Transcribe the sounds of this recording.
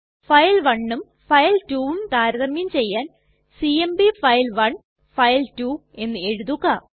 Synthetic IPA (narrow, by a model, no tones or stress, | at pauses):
fɐjlʋɐɳːum | fɐjltuːʋumt̪aːɾɐðɐmːimt͡ɕe̞jːaːn | siembifɐjlʋɐɳ | fɐjltuːe̞nːɨe̞ɻuðuɣaː